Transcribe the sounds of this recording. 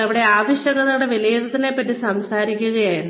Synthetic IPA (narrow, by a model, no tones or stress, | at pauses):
ɐʋiɽe̞aːʋiɕjɐɽɐðɐuɽeʋilɐjeðɨt̪ɐnːepɐtːisɐmsaːɾikʲːuɣɐjaːjɾ